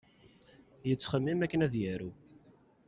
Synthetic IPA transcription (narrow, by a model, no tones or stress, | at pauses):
jət͡sːχəmːimækːənæðjæɾu